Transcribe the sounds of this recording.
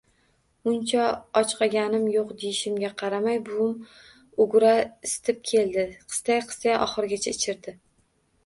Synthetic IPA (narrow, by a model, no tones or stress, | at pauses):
ʊnt͡ʃʰaɒt͡ʃqʰɑɡʲanɪmjoqd̪ejɪʃɪmɡʲaqʰɑɾamajbʊm | ʊɡɾaɪst̪ʰɪp̚kʲʰe̞lˠd̪ɪqʰɨ̥st̪ajqʰɨ̥st̪ajaʔɒ̰χɨɾɡʲat͡ʃʰaɪt͡ʃʰɪɾd̪ɪ